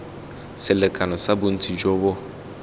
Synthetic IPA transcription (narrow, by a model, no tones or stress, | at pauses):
sɪlekʰanʊsabʊn̩tʰid͡ʒobɔ